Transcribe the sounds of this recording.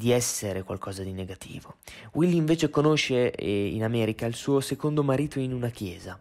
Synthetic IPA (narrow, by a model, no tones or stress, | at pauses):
d̪iɛsːeɾekwa̰lkʰɔːzad̪ineɡat̪ʰḭːvowʔilːiiɱveːt͡ʃekonoʃːeḭnamɛːɾikailsuːosekond̪omaɾiːt̪oinunakjɛːza